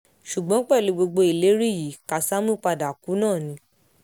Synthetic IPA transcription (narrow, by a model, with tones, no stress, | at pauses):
ʃu˨ɡ͡bɔ̃˨˦k͡pɛ˦˨lu˨˧˦ɡ͡bo˧ɡ͡bo˧i˨le˨˦ɾi˦˨ji˨˦ka˧sa˦mũ˦˨k͡pa˧da˨ku˨˦nãː˦˨nĩ˧˦